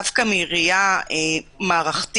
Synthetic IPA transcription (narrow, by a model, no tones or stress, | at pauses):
afkamiʁijaemaːʁaχt̪